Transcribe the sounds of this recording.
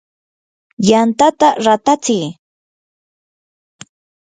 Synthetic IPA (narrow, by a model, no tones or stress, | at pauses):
jant̪at̪aɾat̪at͡sɪj